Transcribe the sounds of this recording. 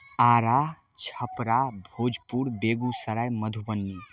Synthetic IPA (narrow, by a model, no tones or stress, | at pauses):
aɾa | t͡ʃʰəpɾabʱod͡ʒpuɾbeɡusəɾajməd̪ʱubənːi